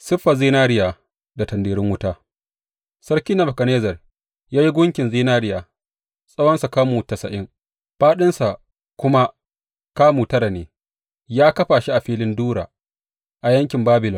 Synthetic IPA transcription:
sɪ˦ɸːa˨ziː˦naː˦ɽɪ˦jaː˨ | da˨tɐ˨ndiː˨ɾɪ˦ŋwʊ˦taː˦ | sɐ˦ɾkʲiː˦nɐ˨bɐ˨kɐ˨neː˦zɐ˨r | jaː˦ji˦ɡʷʊ˦ŋkʲɪ˨nziː˦naː˦ɾɪ˦jaː˨ | sʼɐ˦wɐ˦nsa˨kaː˦muː˨tɐ˨sɐ˨ʔɪ˦ŋ | ɸaː˦ɗɪ˦nsa˨ | kʷʊ˦ma˦ | kaː˦muː˨tɐ˦ɾa˨neː˨ | jaː˦kɐ˦ɸaː˨ʃi˦ʔa˨ɸiː˦lɪ˦nduː˦ɽa̰ː˨ | ʔa˨jɐ˦ŋkʲɪ˨mbaː˦bɪ˨lɔ˨

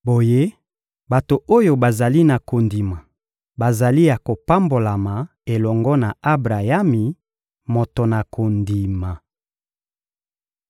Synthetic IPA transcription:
bo˨je˦ | ba˨to˨o˦jo˨ba˨za˨li˦na˨ko˨ndi˨ma˨ | ba˨za˨li˦ja˨ko˨pa˦mbo˨la˨ma˨ | e˨lɔ˨ŋɡɔ˦na˨a˦bʁa˨ja˦mi˨ | mo˨to˨na˨kʰo˨ndi˨ma˨

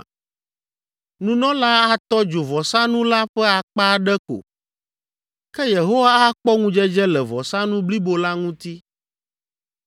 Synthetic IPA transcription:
nũ˦nɔ̃˦la˦a˨t̪ɔ˦d͡ʒo˨vɔ˨sa˦nũ˦la˦ɸɛ˦a˨k͡pa˦ɖɛ˦ko̰˨ | kɛ˦je˨ɦo˦wa˦a˦k͡pɔ˦ŋũ˦d͡ʒɛ˦d͡ʒɛ˦lɛ˨vɔ˨sa˦nũ˦bli˦bo˨la˦ŋũ˦t̪i˦

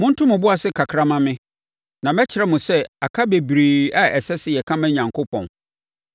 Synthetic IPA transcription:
mʊ̃˦n̩˦tʰʊ̃˦mʊ̃˨bʊ˦a˨sɪ˦kʰa˨kʰɾa˦mã˦mɪ̃˦ | nã˨mɛ˦t͡ɕʰɪ˨ɾɛ˦mʊ̃˨sɛ˦a˨kʰa˦be˨bɾiː˨a˦ʔɛ˨sɛ˦sɪ˦˨jɛ˨kʰã˦mɛ̃˦ɲã˨ŋkʰo˦pʰɔ̃˨n

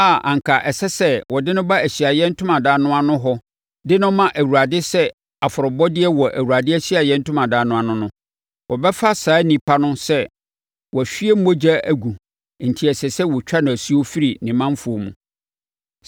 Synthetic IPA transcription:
a˦˨ʔã̰˨ŋ˨kʰa˨ʔɛ˨sɛ˦sɛ˦wɔ˨dɪ˦nʊ̃˦ba˦æ˨ɕi˨a˨jɛ̃˦n̩˦tʰʊ̃˦mã˨daː˦nʊ̃˦a˨nʊ̃˦ɦɔ˦ | dɪ˦nʊ̃˦mã˦ʔæ˨wu˨ɾa˨dɪ˦sɛ˦ | a˨fʊ˨ɾɔ˨bɔ˦dɪ˦ɛ˦wɔ˨ʔæ̰˨wu˨ɾa˨dɪ˦æ˦ɕi˦a˨jɛ̃˦n̩˦tʰʊ˦mã˨daː˨˦nʊ̃˦a˨nʊ̃˦nʊ̃˦ | wʔɔ˨bɛ˦fa˦saː˨˦nĩ˨pʰa˦nʊ̃˦sɛ˦ | wɔ˨æ˨fi˦e˦m̩˦bo˦d͡ʑa˦æ˨ɡu˨ | n̩˨tʰi˨ɛ˨sɛ˨sɛ˦wɔ˨t͡ɕᶣa˦nʊ̃˨æ˨su˦o˦fi˦ɾi˨nɪ̃˨mã˦m˦fʊ˨o˨mṵ̃˨

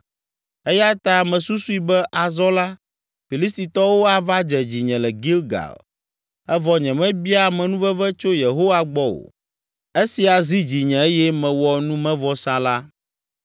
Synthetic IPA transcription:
ɛ˦ja˦t̪a˦mɛ̃˨su˦su˦i˨bɛ˦ʔa˨zɔ˦la˦ | fi˨li˦st̪i˨t̪ɔ˦wo˦a˨va˦d͡ʒɛ˨d͡ʑi˨ɲɛ̃˨lɛ˨ɡi˦lɡa̰˨l | ɛ˦vɔ˦ɲɛ̃˨mɛ̃˦bi˦a˦mɛ̃˨nũ˦vɛ˦vɛ˦t͡ʃo˦je˨ɦo˦wa˦ɡ͡bɔ˦wo̰˨ | e˦si˨a˨zi˦d͡ʑi˨ɲɛ̃˨e˦jɛ˦mɛ̃˨wɔ˨nũ˦mɛ̃˦vɔ˦sã˨la˦

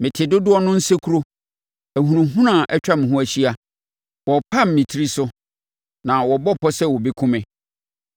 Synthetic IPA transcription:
mɪ̃˨tʰɪ˨dʊ˦dʊ˦ɔ˦nʊ̃˦n̩˦se˦kʰu˦ɾo˦ | æ˨ɦũ˨nũ˨ɦũ˦nã˨ʔɛ˦t͡ɕᶣa˦mɪ̃˨ɦʊ̃˦æ˨ɕi˦a˨ | wɔ˨pʰa˦m̩˨mĩ˨tʰi˦ɾi˦sʊ˦ | nã˨wɔ˨bɔ˦pʰɔ˦sɛ˦wɔ˨bi˦kʰʊ̃˦mɪ̃˨

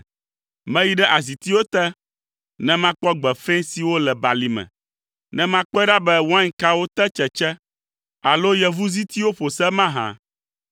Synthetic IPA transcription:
mɛ̃˦ji˦ɖɛ˦ʔa˨zi˨t̪i˦wo˦t̪ɛ˦ | nɛ̃˦mã˦k͡pɔ˦ɡ͡bɛ˨fẽ˦si˨wo˦lɛ˨ba˨li˨mɛ̰̃˨ | nɛ̃˦mã˦k͡pɔ˦ɖa˦bɛ˦wo˦a˦ŋ˦ka˦wo˦t̪ɛ˦t͡ʃɛ˨t͡ʃɛ˦ | a˨lo˦jɛ˨vu˦zi˦t̪i˦wo˦ɸo˨sɛ˦mã˦ɦã̰˨

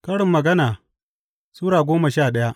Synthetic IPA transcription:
kɐ˦ɽɪ˨mːɐ˨ɡɐ˦naː˨ | suː˦ɽaː˨ɡʷoː˦mɐ˨ʃaː˦˨ɗɐ˦ja˦ʔ

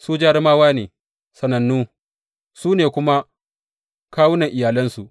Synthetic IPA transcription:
suː˦d͡ʒaː˦ɾɪ˦maː˦waː˦neː˨ | sɐ˨nɐ˨nːuː˦ | suː˦neː˨kʷʊ˦ma˦ | kaː˦wʊ˦nɐ˨ŋʔɪ˨jaː˨lɐ˦nsu˨ʔ

